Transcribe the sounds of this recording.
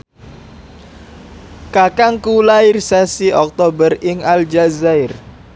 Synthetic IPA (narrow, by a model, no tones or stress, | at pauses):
kakaŋkulaɪrsasiʔɔk̚t̪obərɪŋald͡ʒazaɪr